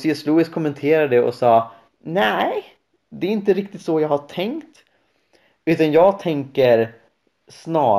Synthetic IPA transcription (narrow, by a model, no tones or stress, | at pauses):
sɪɛsluːɪskʰʊmːɛnt̪ʰeːɾad̪əɔ̰sɑː | næ | d̪ɛæɾɪnt̪əɾɪk̚t̪ɪt̪sɔjɑːɡhaʈʰɛŋkt̪ | ʉ̟ːt̪anjɑːɡt̪ʰɛŋkəɾ | snɑː